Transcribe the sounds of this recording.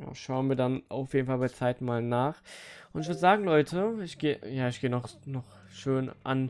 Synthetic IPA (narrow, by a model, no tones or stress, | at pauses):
ja̰ːʃaʊənviːɐdanʔa̰ʊfjeːdn̩falbaɐt͡saɪtmaːlnaːχʔʊntɪçv̥ʏːɐdəzaːɡŋ̩lɔʏtʰəɪçɡ̥eːəjaːɪçɡ̥eːənɔχnɔχ | ʃøːnʔa̰n